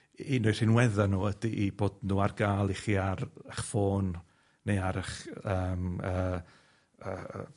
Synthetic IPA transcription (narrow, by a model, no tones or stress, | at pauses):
inʊɨr̥ɪnwɛðanuːədiʔiboːdnuːarɡaːlˠiχiːarəχfoːn | nejaɾəχəːməː | ə̰ː